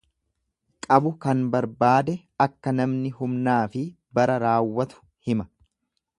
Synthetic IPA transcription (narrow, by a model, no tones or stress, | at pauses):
kʼɐbʊkɐnbɐɾbaːd̪ɛ | ɐkːɐnɐmnɪhʊmnaːfɪ | bɐɾɐɾaːwːɐt̪ʊ̥ | hɪmɐ̥